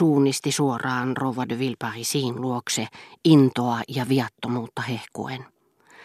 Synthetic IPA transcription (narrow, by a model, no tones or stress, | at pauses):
uːnist̪isuorɑːnroʋɑdøʋilpɑrisiːnluokseint̪oɑjɑʋiɑt̪ːomuːt̪ːɑhehko̰en